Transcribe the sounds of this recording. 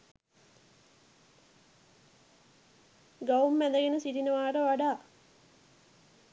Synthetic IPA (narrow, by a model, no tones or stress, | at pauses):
ɡaumːæd̪əɡenəsiɾinəʋaːʈəʋaɖaː